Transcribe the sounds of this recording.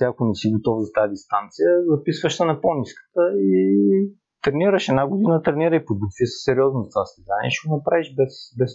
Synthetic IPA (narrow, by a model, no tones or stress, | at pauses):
t̪ɛɐkonɛsiɡot̪ɔfzɐt̪ajəd̪ist̪ant̪sijəzɐpisvəʃsɐnɛponiskə̥t̪əi | t̪ɾɛniɾəʃɛd̪naɡod̪inət̪ɾɛniɾəipod̪̚ɡot̪visɛ̥sɛɾiɔznʊzɐt̪vast̪izanʲḭɛʃɛɡʊnɐpɾaviʒbɛsbɛs